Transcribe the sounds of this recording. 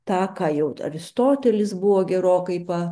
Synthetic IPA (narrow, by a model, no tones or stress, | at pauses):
t̪ɑːkɑːjɛʊɐ̰ɾʲɪst̪oːt̪ʲɛlʲɪsbʊʋoːɡʲɛɾoːkɐɪpɐ